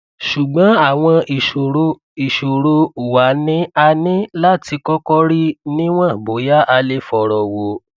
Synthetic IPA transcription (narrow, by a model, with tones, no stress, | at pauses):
ʃu˨ɡ͡bɔ̃˨˦a˦˨w̃ɔ̃˧i˨o˨o˧ | i˨ʃo˨ɾo˧u˨wa˨˦nĩ˦a˧nĩ˦la˦ti˧kɔ˦kɔ˦ɾi˦nĩ˦w̃ɔ̃˦˨bo˨˦ja˦ʔa˧le˦fɔ˧ɾɔ˨wo˧